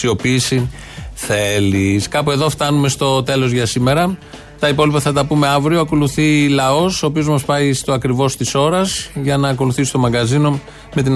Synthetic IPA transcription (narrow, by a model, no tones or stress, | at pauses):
io̞piːsi | θeliskɐpue̞ðo̞ft̪ɐnume̞st̪o̞t̪e̞lo̞zʝɐsime̞ɾɐ | t̪ɐipo̞lipɐθɐt̪ɐpume̞ɐvɾio̞ɐko̞luθilɐo̞so̞ːpio̞zmɐspɐist̪oɐkɾivo̞st̪iso̞ɾɐzʝɐnɐːk̬o̞luθisi̥st̪o̞mɐɡɐzino̞ | me̞t̪in